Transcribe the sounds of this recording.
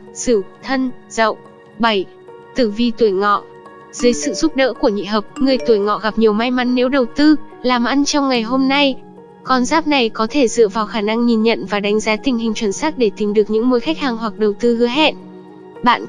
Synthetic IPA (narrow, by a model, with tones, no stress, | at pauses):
sɨ˧˩wt̪ʰə˧nz̥ə̰˧˨w | ɓa˧˩j | t̪ɨ˧˩vi˧t̪u˧˩əjŋɔ̰˧˨ | z̥ɨː˨˦jsɨ̰˧˨zu˦˥t̚ɗə̰ː˧˥ku˧˩əɲḭ˧˨ɦəː˨˩p̚ŋɨ˨˩əjt̪u˧˩əjŋɔ̰˧˨ɣa˨˩p̚ɲi˨˩əwma˧jma˨˦nːe˨˦wɗə˨˩wt̪ɨ˧laː˨˩mʔa˧nt͡ɕɔ˧wŋ͡mŋa˨˩jɦo˧mna˧j | kɔ˧nzaː˦˥p̚na˨˩jkɔ˨˦t̪ʰe˧˩zɨ̰˧˨vaː˨˩wxaː˧˩na˧ŋɲi˨˩nɲə̰˧˨nvaː˨˩ɗa˨˦ŋ̟zaː˨˦t̪ï˨˩ŋ̟hi˨˩ŋ̟t͡ɕwə˧˩nsaː˦˥k̚ɗe˧˩t̪i˨˦mɗɨ˨˩ək̚ɲɨ̰˧˥ŋmo˨˦jxa˦˥k̚haː˨˩ŋɦwa˨˩k̚ɗə˨˩wt̪ɨ˧hɨ˨˦əɦɛ̰˧˨n | ɓa̰ː˧˨n